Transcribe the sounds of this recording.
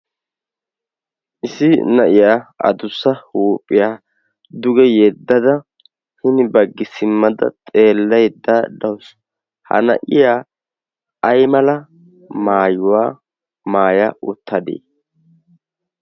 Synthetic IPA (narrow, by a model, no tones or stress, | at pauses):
ʔɪsɪnɐʔɪjaːɐ̰d̪ʊsːɐhuːpʼːɪjaː | d̪ʊɡɛjɛd̪ːɐd̪ɐ | hɪnɪbɐɡːɪsɪmːɐd̪ɐ̰t̪ʼe̞ːlːɐjd̪ad̪ɐws | hɐ̰nɐ̰ʔɪjaː | ɐjmɐlɐ | maːjʊwaː | maːjɐʔʊt̪ʰːɐd̪ḛː